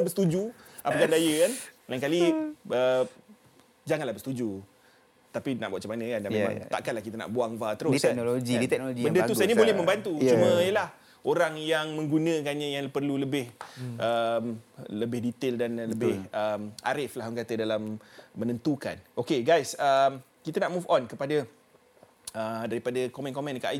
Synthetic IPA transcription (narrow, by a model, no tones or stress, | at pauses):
bəst̪ud͡ʒuapəkandajəkanlaŋkaliə | d͡ʒaŋanlahbəst̪ud͡ʒu | t̪apina̰ʔbuaʔ̚t͡ʃamanə̃kandanmema̰ŋt̪a̰ʔkanlahkit̪ana̰ʔbuaŋvat̪əɾʊsanoloɡiit̪ɛk̚noloɡibəndət̪usajənibolɛhmə̃mbant̪ut͡ʃumə̃jəlah | oɾaŋjaŋmə̃ŋɡunə̃kanɲãjaŋpərluləbɪhʔəmləbɪhdit̪ɪldanləbɪhəmʔa̰ɾɪflahɔŋkat̪ədalamːənənt̪uka̰nokeɡajsəm | kit̪anaʔmufɔnkəpada | ədaɾipadakɔmɛ̃nkɔmɛ̃nkaʔi